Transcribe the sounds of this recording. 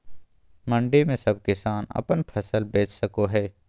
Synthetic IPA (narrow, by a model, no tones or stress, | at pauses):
mɐ̃ɳɖimẽsɐb̚kɪsaːnɐ̰pənpʰɐsəlbeːt͡ʃsɐkoɦɛː